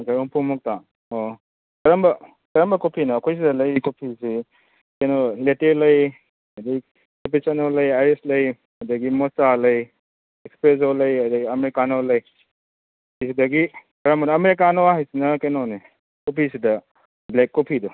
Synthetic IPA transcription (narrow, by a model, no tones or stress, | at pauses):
kaɔŋpʰumɔk̚ta | o | kɐɾɐmbɐ | kɐɾɐmbɐkopʰinɐːkʰojs̬idɐlɐjkopʰisi | kɐjnoletelɐj | ɐdi | kep̬isanolɐjaɾeslɐj | ɐdɐɡimɔsalɐj | ekspɾes̬olɐjɐdɐɡiɐmeɾikanolɐj | ajsidɐɡi | kɐɾɐmɐnɐmeɾik̬anoaɦajsinɐkenɔne | kopʰisidɐ | blekːopʰidɔ